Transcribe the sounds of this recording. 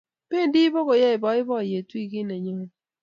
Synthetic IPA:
pe˦˨ndi˦bo˦ɣo˨jɛ˦ɪ˨bɔ˨˦ɪ˦bɔ˦˨je˨twi˦˨kɪ˦ne˨ɲɔ˦

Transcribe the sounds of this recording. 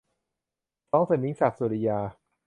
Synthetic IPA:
tɔː˦˥ŋsa˨˩mi˦˥ŋsa˨˩p̚suː˨˧˩ɾi˧jaː˧

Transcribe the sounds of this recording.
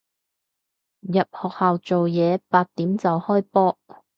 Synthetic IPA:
jɐ˨p̚hɔː˨k̚haː˨wt͡so˨wjɛː˨˧paː˧t̚t̪ːiː˨˥mt͡sɐ˨whɔː˥jpɔː˥

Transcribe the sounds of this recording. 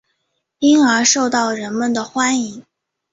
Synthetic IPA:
i˥ŋə˞˧˥ʂo˥˧ʊt̪ɑ˥˩ʊɻə˧˥nmə˨nd̪ə˩xwa˥ni˧˥ŋ

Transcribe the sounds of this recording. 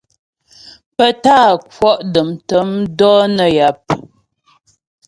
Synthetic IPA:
pə˦taː˦˨kwɔ˦ʔdə˨mtə˨˦mdɔ˦nə˨ja˨p̚

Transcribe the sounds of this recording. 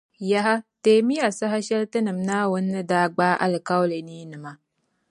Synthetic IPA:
ja˦ɦa˦teː˨mi˦ja˨sa˦ɦa˦ʃɛ˦ltɨ˦nɨ˨m˨naː˦wʊ˦nː˦ɨ˦daː˦ɡ͡baː˦ʔa̰˨lɨ˨ka˦wle˨niː˦nɨ˨ma˦

